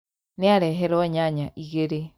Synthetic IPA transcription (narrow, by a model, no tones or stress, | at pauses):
neaɾɛɦɛɾɔɲaɲaʔiɣeɾe